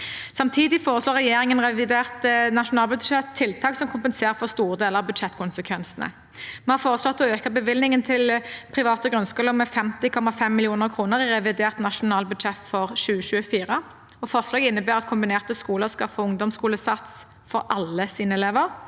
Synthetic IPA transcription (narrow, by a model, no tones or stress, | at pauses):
sɑmt̪ʰiːd̪ɪfoːʁəsloːʁɛjeːʁɪŋənʁɛʋɪd̪eːʁt̪nɑʂʊnɑːlbʉd̪ʂɛt̪ʰːɪlt̪ʰɑːksɔmkʰʊmpɛnseːʁəfɔʁst̪uːʁəd̪eːləʁɑbʉd̪ʃɛt̪ːkʰʊnsəkʰʋɛnsnə̰ | mɛnhɑʁfoːʁəslɔt̪ːɔøːkəbəʋɪlnɪŋənt̪ʰɪlpʰʁɪʋɑːt̪əɡɾʉnskʉːləʁmɛfɛmt̪ɪkʰɔmɑfɛmːɪlɪuːnəʁkʰʁuːnəʁɪʁɛʋɪd̪eːʁt̪nɑʃʊnɑːlbʉd̪ʃɛt̪fɔʁʃʉːəʃʉːəfiːʁə | ɔfɔʁslɑːɡɪnːəbæːʁɑt̪kʰʊmbɪneːʁt̪əskuːləʁskɑfəʊŋd̪ɔmskuːləsɑt̪s | fɔɾʔɑlːəsiːnəɛleːʋəʁ